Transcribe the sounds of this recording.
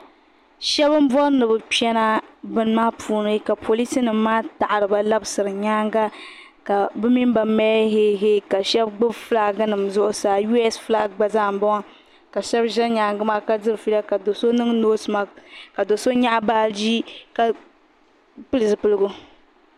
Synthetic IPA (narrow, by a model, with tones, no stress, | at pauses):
ʃɛ˦bɨ˦m˦bɔ˦nɨ˨bɨ˨pɛ˦na˦bɨ˦n˦maː˦pʰuː˨nɨ˦ka˨pʰo˨li˦si˦nɨ˨mː˦aː˦ta˨ʔa˨ɾɨ˨ba˦la˦bsɨ˨ɾɨ˨ɲaː˦ŋɡa˦ | ka˨bɨ˦mi˦m˦ba˨mɛː˦ɦe˦ɦe˦ka˨ʃɛ˦bɡ͡bɨ˦fla˦ɡa˦nɨ˨mzʊ˦ʔʊ˦saː˨ju˦ɛ˦sfla˦ɡ͡ba˦zaː˦˨m̩˨bɔ˦ŋa˦ | ka˨ʃɛ˦bʒɛ˦lɲaː˨ŋɡɨ˦maː˦ka˦dɨ˦ɾɨ˨fi˦la˦ka˨do˨so˦nɨ˦ŋno˦sma˦ka˨do˨so˦ɲa˦ʔbaː˦d͡ʒi˦ka˨ | pɨ˦lɨ˨sɨ˨pɨ˦lɨ˦ɡʊ˦